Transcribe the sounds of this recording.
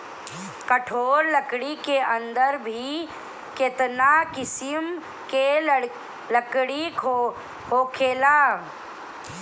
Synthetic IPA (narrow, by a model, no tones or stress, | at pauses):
kəʈʰoːɾləkɽikeə̃nd̪əɾbʱi | ket̪nakɪsɪm | ke | ləkɽiko | hoːkʰeːlaː